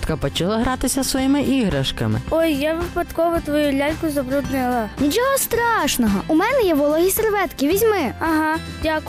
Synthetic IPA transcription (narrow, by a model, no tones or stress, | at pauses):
t̪kɐpɔt͡ʃɐlˠaɦɾɑt̪ɪsʲɐsʋɔjimɪʔiɦɾɐʃkɐmɪ̰ɔjːaʋɪpɐt̪kɔʋɔt̪ʋɔjulʲalʲkʊzɐbɾud̪nɐlˠɐnʲit͡ʃɔɦɔst̪ɾɑʃnɔɦɔʔumɛnɛjɛʋɔlˠɔɦʲiserʋɛt̪kʲiʋʲizʲmɪɐɦɑ | dʲakʊ